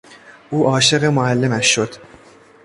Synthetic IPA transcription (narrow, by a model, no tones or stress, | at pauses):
ʔuːʔɒːʃe̞ɣemoælːe̞mæʃːod̪̥